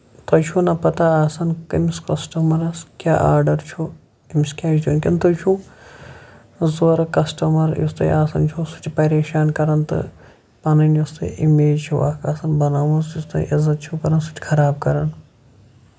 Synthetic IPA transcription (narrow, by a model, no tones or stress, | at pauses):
t̪ɐt͡ʃʰuːnɐpɐt̪aaːsɐnkɐmiskɐsʈɐmɐɾɐskʲjaːʔaːɾɖɐɾt͡ʃʰu | imskʲaːd͡ʒd̪ʲuːnkʲɐnt̪ot͡ʃʰũː | zoːɾɐkɐsʈɐmɐɾjḭst̪ɐ̰ʔaːsɐnt͡ʃʰusu̥t͡ʃʰpɐɾeːʃaːnkɐɾɐnt̪ɨ̰ | pɐnɐnjust̪ɨ̰ʔimeːd͡ʒt͡ʃʰṵaːkʰaːsɐnbɐnaːʋɐsust̪ɐ̰ʔizɐt̪̚t͡ʃʰukɐɾɐnsu̥t͡ʃʰʲkʰɐɾaːb̚kɐɾɐn